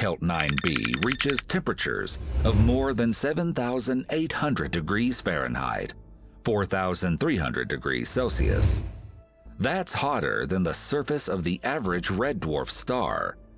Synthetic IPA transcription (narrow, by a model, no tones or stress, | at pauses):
hɛlˠtⁿnãɪ̃nbḭɹit͡ʃɪz̥tʰɛ̃mpɹɨt͡ʃə̰˞zʌvmɔɹðɨ̃nsɛvə̃nθaʊzɨ̃ndeɪt̚hʌ̃ndɹɨdɨɡɹiz̥fɛɹɨ̰̃nha̰ɪd̥ | fɔɹθaʊzɨ̃nθɹiɦʌ̰̃ndɹɨ̰dɨɡɹḭz̥soʊsḭɨ̰s | ðætshɑɾə̰˞ðɨ̃nðəsɜ˞fɨsʌvðiʔævə˞ɨd͡ʒɹɛdwɔ̰ɹfstɑ̰ɹ